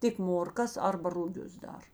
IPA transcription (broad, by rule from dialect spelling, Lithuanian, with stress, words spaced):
ˈtʲɪk moːrˈkɐs ˈɐrbɐ rʊˈɡʲʊs ˈdɐr